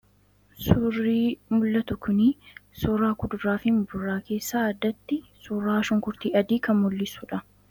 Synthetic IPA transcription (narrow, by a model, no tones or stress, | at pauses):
sʊrːiːmʊlːɐt̪ʊkʊnisʊːraːkʊd̪ʊraːfɪmbʊrːaːke̞ːsːaːɐd̪ːɐt̪ːɪsuːrːaːʃɔŋkʊɾt̪iːɐd̪iːkɐmmʊlːɪsʊᶑɐ